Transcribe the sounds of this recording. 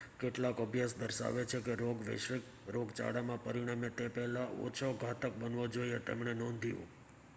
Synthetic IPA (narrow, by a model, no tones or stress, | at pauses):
keʈlakəbʱjasd̪əɾʃa̰ʋet͡ʃʰekeɾoɡʋḛʃək | ɾoɡt͡ʃa̰ɽamãpəɾiɽ̃amet̪epɛɦlaʔo̰t͡ʃʰoɡʱat̪ək̚bənʋod͡ʒoiet̪ḛmɳenɔ̃nd̪ʱijṵ̃